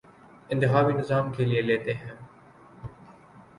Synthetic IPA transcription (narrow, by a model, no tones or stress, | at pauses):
ɪ̃nt̪ɪɦaːʋiːnɪzaːmkʰeːlieleːt̪eːɦɛ̃ː